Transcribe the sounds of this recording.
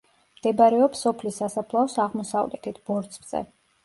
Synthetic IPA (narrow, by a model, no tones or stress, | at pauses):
md̪̥ɛbaɾɛɔpsɔpʰlisːasapʰlˠaɔsaʁmɔsa̰vlɛ̰t̪ʰit̪̚ʰb̥ɔɾt̪sʰʼvz̥ɛ̰